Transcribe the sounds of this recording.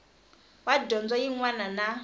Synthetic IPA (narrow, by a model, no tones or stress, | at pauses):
wadɔnd͡zwajiŋwanana